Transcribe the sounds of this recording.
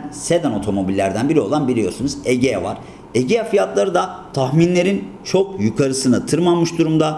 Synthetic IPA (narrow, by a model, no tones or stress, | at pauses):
sed̪ano̞t̪ʰo̞mo̞bilʲːæɾd̪ænbiɾio̞lˠanbilʲijo̞sunuzeɟeɛvaɾ̥ | eɟejafijat̪lˠaɾɯd̪at̪ʰaxminlʲe̞ɾint͡ʃʰo̞kjukʰaɾɯsɯnat̪ʰɯɾɯmanˠmɯʃd̪uɾumd̪a